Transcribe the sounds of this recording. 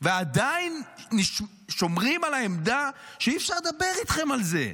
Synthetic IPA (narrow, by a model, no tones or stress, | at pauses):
vead̪ainːiʃ | ʃo̞mʁimalaemd̪aʃeiːfʃaʁd̪abe̞ʁit̪χe̞malze̞̰